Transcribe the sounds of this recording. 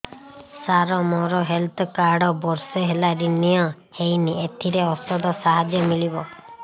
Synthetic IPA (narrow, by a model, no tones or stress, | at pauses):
saɾɔmɔɾɔɦelt̪ʰɔkaɾɖɔbɔɾseɦelaɾinijɔ | hejniet̪ʰiɾeɔsɔd̪ɔsaɦad͡ʒjɔmilibɔ